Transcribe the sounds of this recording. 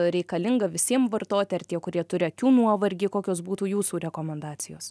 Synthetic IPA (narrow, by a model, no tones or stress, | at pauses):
ɾʲɛɪkɐlʲɪŋɡɐʋʲɪsʲiɛmʋɐrt̪oːt̪ʲɪɐɾrt̪ʲiɛkʊɾʲiɛt̪ʊɾʲɪɐkʲuːnuɔʋɐɾʲɡʲɪkoːkʲoːsbuːt̪uːjuːsuːɾʲɛkoːmʲɛnd̪ɑːtsʲɪjoːs